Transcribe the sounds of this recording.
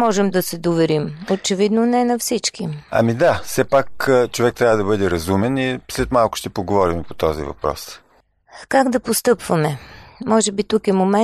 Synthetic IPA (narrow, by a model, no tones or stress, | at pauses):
ɔʒɛmd̪ɐsɛd̪ovɛɾimot͡ʃɛvid̪nonɛnɐfsit͡ʃkiɐ̰mid̪afsɛpakt͡ʃovɛk̚t̪ɾʲavəd̪ɐbɤd̪ɛɾɐzumɛnislɛt̪malˠkʊ̥ʃt̪ɛpoɡovɔɾimpot̪ɔzḭvɐ̰pɾɔ̰s | kaɡd̪ɐpost̪ɤpvɐmɛmɔʒɛbit̪ukɛmomɛ